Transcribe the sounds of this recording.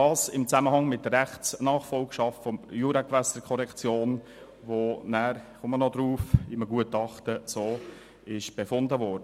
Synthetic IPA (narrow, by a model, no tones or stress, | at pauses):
dɑːsɪmt͡sæməhɑŋmɪt̚dərɾæχt͡snɑːχfɔlkʃɑftfɔmjuɾakʋæsəɾkʰɔɾɛkt͡sjoːn | ʋonæːɾχʊmənɔd̪ɾuːfɪməɡuətɑχtəsoː | ɪʃb̥efʊndəvɔːɾdə